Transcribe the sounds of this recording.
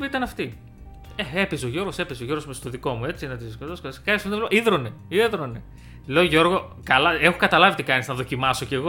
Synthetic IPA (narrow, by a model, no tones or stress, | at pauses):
it̪ɐnɐft̪i | eepisoʝo̞ɾɣo̞se̞pisoʝo̞ɾɣomest̪oðiko̞mue̞t͡sinɐt̪iskot̪oskoiskɐisnevloʔiðɾoneieðɾone | le̞oʝo̞ɾɣo̞kɐlɐexokɐt̪ɐlɐvit̪ikɐnisznɐðo̞cimɐso̞ce̞ɣo